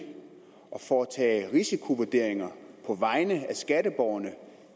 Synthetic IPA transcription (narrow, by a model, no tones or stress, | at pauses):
ʔɒ̽fɒːt͡sʰɛ̰ːʁisikʰo̝ʋuɐd̥e̝ɐ̰eŋɐpʰɒ̽ʋɑ̈ɪnəæsɡ̥æɾəb̥ɒʊɐnə